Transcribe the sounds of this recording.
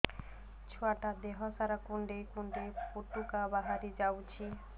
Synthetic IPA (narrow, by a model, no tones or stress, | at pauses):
t͡ɕʰoaʈad̪eɦasaɾakuɳɖejkuɳɖepoʈːukabaɦaɾid͡ʑawt͡ɕʰi